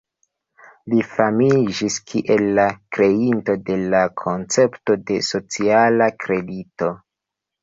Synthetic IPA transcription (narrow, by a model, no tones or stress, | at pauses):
lifamid͡ʒiskʰiʔe̞lːakɾe̞into̞de̞lakʰo̞nt͡se̞pto̞de̞so̞t͡sialakɾe̞dito̞